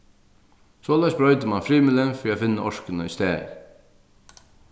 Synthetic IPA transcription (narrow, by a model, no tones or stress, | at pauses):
soːlæsbɾœʏt̪əmanfɾiːmɪlɛnfɔɾafɪnːəʔɔʃkənəist̪æːɾ